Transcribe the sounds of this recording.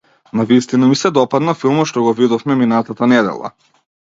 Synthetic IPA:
navist̪inamisɛd̪ɔpad̪nafilˠmɔt̪ʃt̪ɔɡɔvid̪ɔfmɛminat̪at̪anɛd̪ɛ̰lˠa̰

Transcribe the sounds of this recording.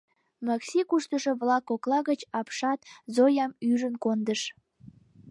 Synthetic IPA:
mɑksʲikuʃt̪əʃoβlɑkoklɑɣət͡ɕɑpʃɑt̪zojɑmyʒənkond̪əʃ

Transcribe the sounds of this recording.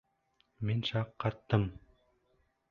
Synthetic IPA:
minʃɑqʰːɑt̪ːɤm

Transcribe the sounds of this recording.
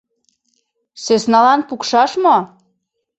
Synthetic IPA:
sesnɑlɑnpukʃɑʃmo

